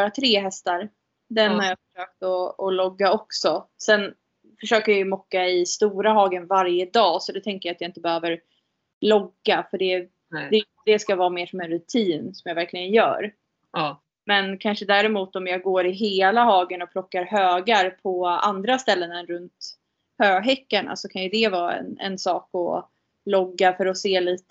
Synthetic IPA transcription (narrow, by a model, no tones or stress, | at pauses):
bɑːɾat̪ʰɾeːɦɛst̪aɾ | d̪ɛnhaɾjafə̥ʂøːk̚t̪ɔːlɔɡːaɔksɔsɛn | fœʂøːkəɾjajɵmɔkːaɪst̪uːɾaɦɑːɡənvaɾjəd̪ɑːsɔd̪ɛt̪ʰɛŋkəjat̪jaɪnt̪əbɛhøːvəɾ | lɔɡːafœɖɛ̥ | ɛ | d̪̥ɛskavɑːmeːʂɔmɛnɾɵt̪ʰiːnsɔmjavæɾklɪɡənjœ̰ːɾ | mɛnkʰanʂəd̪æːɾɛmuːt̪ɔmjɑːɡoːɾɪɦeːlaɦɑːɡənɔpʰlɔkːaɾɦøːɡaɾpʰɔa̰nd̪ɾast̪ɛlːənɛnɾɵnt̪ | høːɡɦɛkːaɳa̰sɔkʰanjɵd̪ɛvɑːɛ̰nɛ̰nsɑːkɔ̰ | lɔɡːafœɾɔseːliːt̪ə